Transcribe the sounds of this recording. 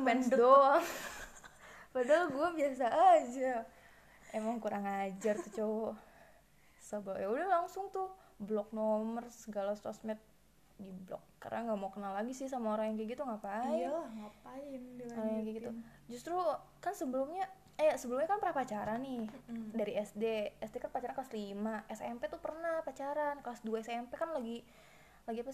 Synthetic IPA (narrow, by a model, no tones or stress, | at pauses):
mɛndɔ | padalɡuabiasaʔːd͡ʒa | emaŋkuɾaŋad͡ʒartt̪ut͡ʃow | səbajaulahlaŋsʊŋt̪ʊ | blɔk̚nomərsəɡalast̪ɔ̰smɛt̪̚ | diblɔ̰kːa̰r̰naŋɡamaukənalaɡisɪhsamaoɾaŋjaŋkiɡit̪uŋapaiŋapaɪndoɾŋjaŋkɛɡit̪u | d͡ʒust̪ɾukansəbəlumɲa | jasəbəlʊmɲakanpəɾapat͡ʃaɾanɪdaɾiɛsdeɛsdekanpat͡ʃaɾankaslimaʔɛsɛmpet̪upərnahpat͡ʃaɾankasduaɛsɛmpekanlaɡi | laɡiapa